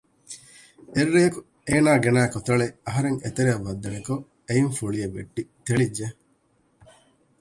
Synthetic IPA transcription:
erːejɐku | eːnaːɡenaːkot̪ɐɭeɐɦɐɾeŋḛt̪eɾeɐʋːɐd̪ːɐneko | ejiŋfuɭijɐʋːḛʈːit̪eɭid͡ʒːe

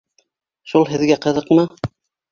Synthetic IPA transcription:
ʃulˠɦɘ̆ðɡæqɤ̆ðɤ̆qmɤ

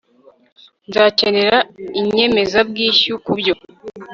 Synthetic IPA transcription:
nzaːce̞ne̞ɾaiɲe̞me̞zabɡiːʃukubɟo̞

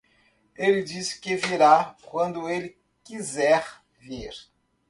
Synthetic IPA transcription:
elɪd͡ʒisɪ̥kɪviɾakwɐ̃nd̪ʊelɪ | kizɛɾ | viɾ

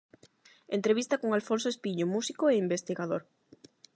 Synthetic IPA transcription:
ent̪ɾeβist̪akoŋalfõnsoespiɲomusikoeimbest̪iɣaðoɾ

